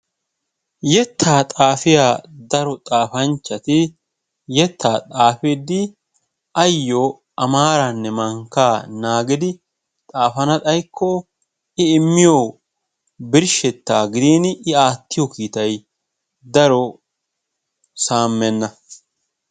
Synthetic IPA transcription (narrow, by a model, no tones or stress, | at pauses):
jɛt̪ʰːaːt̪ʼaːfɪjaːd̪ɐɾɔt̪ʼaːfɐnt͡ʃːɐt̪ɪ | jɛt̪ːaːt̪ʼaːfɪd̪ɪ | ɐjːɔ | ɐmaːɾɐnːɛmɐŋkːaːnaːɡɪd̪ɪ | t̪ʼaːfɐnɐt̪ʼɐjkʰːɔ | ɪɪmːɪjo | bɪɾʃɛt̪ːaːɡɪd̪iːnɪaːt̪ːɪjɔkiːt̪ɐj | d̪ɐɾɔ | saːmːɛnːɐ